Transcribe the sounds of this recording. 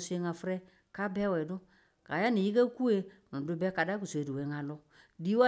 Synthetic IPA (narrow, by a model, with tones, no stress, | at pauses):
su˦e˧ŋa˨fɾɛ˦ | ka˦bɛ˦wɛ˨dʊ˦ | ka˨ja˦ni˨ji˦ke˦ku˦e˦nũ˨dʊ˦bɛ˦ka˨da˦ku˨se˨du˨e˨˦ŋa˨lɔ˧ | di˦wa˦